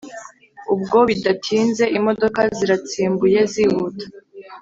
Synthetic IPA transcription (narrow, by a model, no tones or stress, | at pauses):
ub̚ɡo̞βidatʰiːnze̞ʔimo̞do̞kaziɾat͡siːmbuje̞zihutḁ